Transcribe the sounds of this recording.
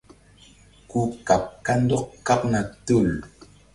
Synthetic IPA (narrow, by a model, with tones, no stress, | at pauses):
ku˦ka˨p̚ka˦n̩˦dɔ˦k̚ka˦p̚na˨tu˦˨l